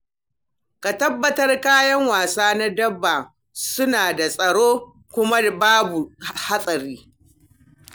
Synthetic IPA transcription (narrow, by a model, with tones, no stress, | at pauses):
ka˨tɐ˦bːɐ˨tɐ˦rkaː˦jɐ˦ŋwaː˨saː˦na˦dɐ˦bːa˨ | sʊ˦naː˨da˨sʼɐ˨ɽoː˦ | kʷʊ˦ma˦baː˦bu˨ha˦sʼɐ˨ɾiː˦